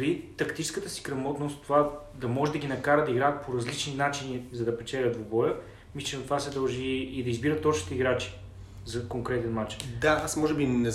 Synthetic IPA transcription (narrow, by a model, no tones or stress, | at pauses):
ɾit̪ɐkt̪it͡ʃɛ̥skət̪əsi̥kɾɐmɔt̪nost̪t̪ːova | d̪ɐmɔʒɛd̪ɐɡʲinɐkaɾəd̪ɐiɡɾaːt̪̚pʰoɾɐzlit͡ʃninat͡ʃinizɐd̪ɐpɛt͡ʃɛlʲəd̪vobɔjə | mist͡ʃɛnɐt̪ovasɛd̪ɐlˠʒiːd̪ɐizbiɾət̪ːɔt͡ʃni̥t̪ɛiɡɾat͡ʃi̥ | zɐkoŋkɾɛt̪ɛnmat͡ʃd̪aasmɔʒɛbinɛ